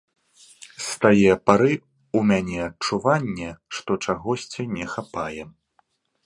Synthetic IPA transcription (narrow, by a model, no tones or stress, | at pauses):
st̪ajɛpaɾɨ | umʲanʲɛɐt͡ʂuvanʲːɛʂt̪ɔt͡ʂaɣɔsʲt͡sʲinʲɛxapajɛ